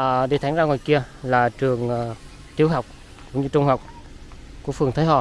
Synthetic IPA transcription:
ɗe˨˩t̪ʰaː˧˩˦ŋzaː˧ŋɔ˨˩jki˧əlaː˨˩t͡ɕɨ˨˩əŋ˨˩ | t̪i˨˦əwɦa˨˩wk͡p̚ | kʊ˧˥ŋ͡mɲɨ˧t͡ɕʊ˧ŋ͡mha˨˩wk͡p̚ | ku˧˩əfɨ˨˩əŋt̪ʰəː˨˦jɦɔ̰˧˨˩

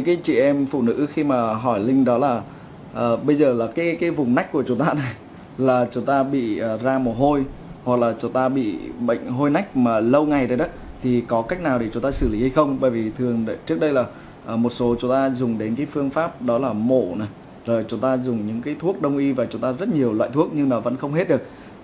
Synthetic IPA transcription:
ɲɨ̰˧˥ŋkaː˨˦jt͡ɕḭ˧˨ʔɛ˧mfṵ˧˩nɨ̰˧˥xi˧maː˨˩ɦɔ˧˩jlï˧ŋ̟ɗɔ˨˦laː˨˩ | ʔəː˨˩ɓə˧jzəː˨˩laː˨˩kaː˨˦jkaː˨˦jvʊ˨˩ŋ͡mna˦˥jk̟̚ku˧˩ət͡ɕʊ˨˦ŋ͡mt̪aː˧na˨˩j | laː˨˩t͡ɕʊ˨˦ŋ͡mt̪aː˧ɓḭ˧˨əː˨˩zaː˧mo˨˩ɦo˧j | hwa˨˩k̚laː˨˩t͡ɕʊ˨˦ŋ͡mt̪aː˧ɓḭ˧˨ɓə̰˧˨ŋ̟ɦo˧jna˦˥jk̟̚maː˨˩lə˧wŋa˨˩jɗəː˨˩jɗɔ˨˦t̪ʰi˨˩kɔ˨˦ka˦˥k̟̚naː˨˩wɗe˧˩t͡ɕʊ˨˦ŋ͡mt̪aː˧sɨ˧˩li˨˦ha˧jxə˧wŋ͡mɓə̰ː˧˩jvi˨˩t̪ʰɨ˨˩əŋɗt͡ɕɨ˦˥ək̚ɗə˧jlaː˨˩ | ʔːmo˨˩t̚so˨˦t͡ɕʊ˨˦ŋ͡mt̪aː˧zʊ˨˩ŋ͡mɗe˨˦nkaː˨˦jfɨ˧əŋfaː˦˥p̚ɗɔ˨˦laː˨˩mo˧˩na˨˩j | zoː˨˩jt͡ɕʊ˨˦ŋ͡mt̪aː˧zʊ˨˩ŋ͡mɲɨ̰˧˥ŋkaː˨˦jt̪ʰu˦˥ək̚ɗə˧wŋ͡mʔi˧vaː˨˩t͡ɕʊ˨˦ŋ͡mt̪aː˧zə˦˥t̚ɲi˨˩əwlw̰a̰ː˧˨jt̪ʰu˦˥ək̚ɲɨ˧ŋnɔ˨˦və̰˧˥nxə˧wŋ͡mɦe˦˥t̚ɗɨ˨˩ək̚

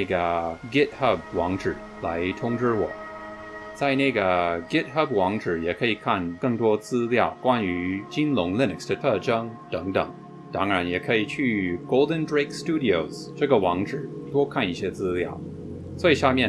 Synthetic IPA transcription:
ɡə˩ɡɪ˥t̚hɐ˥˩p̚wɑ˧˥ŋʈ͡ʂɻ̩˨˩˦ | la˧˥ɪt̪ʰʊ˥ŋʈ͡ʂɻ̩˥wɔ̰˨˩˦ | t͡sa˥˧ɪna˥˩ɡə˩ɡɪ˥t̚xə˥˩p̚wɑ˧˥ŋʈ͡ʂɻ̩˨˩jɛ˨˩kʰɤ˧˥i˨˩kʰa˥˩nkɤ˥˩ŋt̪wɔ˥t͡sɹ̩˥ljɑ˥˩ʊkwa˥ny˧˥t͡ɕi˥nlʊ˧˥ŋli˥˧n˨ksdə˧t̪ʰɤ˥˩ʈ͡ʂɤ˥ŋt̪ɤ˧˥ŋt̪ə̰˨˩ŋ | t̪ɑ˥ŋɻa˧˥njɛ˨˩kʰɤ˧˥i˨˩t͡ɕʰy˥˩ɡ̥o˥ʊlˠdə˧ndɹe˥ɪkstu˥di˨o˨˩ʊzʈ͡ʂɤ˥˩ɡə˩wɑ˧˥ŋʈ͡ʂɻ̩˨˩˦t̪wɔ˥kʰa˥˧ni˥˩ɕjɛ˥t͡sɹ̩˥ljɑ˥˩ʊ | swɔ˧˥i˨˩ʂa˥˧mjɛ˥˩

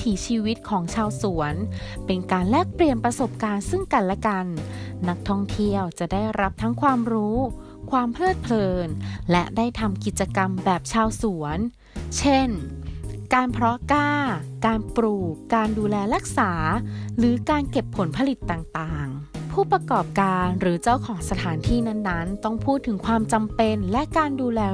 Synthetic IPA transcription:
t̪ʰiː˩˦t͡ɕʰiː˧wi˦˥t̪̚kʰɔː˩˦ŋt͡ɕʰaː˧wsu˨˩˦ənpe˧nkaː˧nlɛː˥˩k̚pli˨˧ənpɾa˧so˨˩p̚kaː˧nsɯ˥˩ŋka˧nlɛ˦˥ka˧nːa˦˥k̚t̪ʰɔ˥˩ŋt̪ʰi˥˩əwt͡ɕa˨˩ʔdaː˥˩jɾa˦˥p̚t̪ʰa˦˥ŋkʰwaː˧mɾuː˦˥ | kʰwaː˧mpʰlɤː˥˩t̪̚pʰlɤː˧nlɛ˦˥daː˥˩jt̪ʰa˧mki˨˩t̪̚t͡ɕːa˧ka˧mbɛː˨˩p̚t͡ɕʰaː˧wsu˩˦ən | t͡ɕʰe˥˩n | kaː˧npʰɾɔ˦˥kaː˥˩kaː˧npɾuː˨˩kːaː˧nduː˧lɛː˧ɾa˦˥k̚saː˩˦ɾɯː˩˦kaː˧nke˨˩pʰːo˩˦npʰa˧li˨˩t̪ːaː˨˩ŋt̪aː˨˩ŋpʰuː˥˩pɾa˧kɔː˨˩p̚kaː˧nɾɯː˩˦t͡ɕa˥˩wkʰɔː˩˦ŋsa˧t̪ʰaː˩˦nt̪ʰiː˥˩na˥˩nːa˦˥nt̪ɔ˥˩ŋpʰuː˥˩t̪ʰːɯ˩˦ŋkʰwaː˧mt͡ɕa˧mpe˧nlɛ˦˥ʔkaː˧nduː˧lɛː˧

